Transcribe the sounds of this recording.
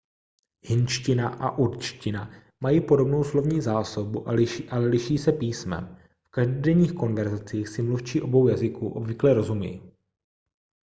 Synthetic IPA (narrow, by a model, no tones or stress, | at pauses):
hɪnt͡ʃcɪnaʔa̰ʔuɾt͡ʃcɪna | majiːpo̞do̞bno̞wslo̞vɲiːzaːso̞buʔalɪʃiʔalɛlɪʃiːsɛpiːsmɛ̰m | fkaʒdodɛɲiːxko̞nvɛɾzat͡siːxsɪmluft͡ʃiːʔo̞bo̞wjazɪkuʔo̞bvɪklɛɾo̞zumɪ̰j